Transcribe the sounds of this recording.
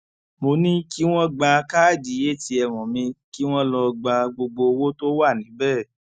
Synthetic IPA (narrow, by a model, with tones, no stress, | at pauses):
mo˧nĩ˦ki˦w̃ɔ̃˦ɡ͡ba˧ka˦˨d͡ʒi˨˦je˦˨ti˧ɛ˧w̃ɔ̃˨mĩ˧ki˦w̃ɔ̃˦lɔ˧ɡ͡ba˧ɡ͡bo˧ɡ͡bo˧wo˦to˦wa˦˨nĩ˨˦bɛ˦˨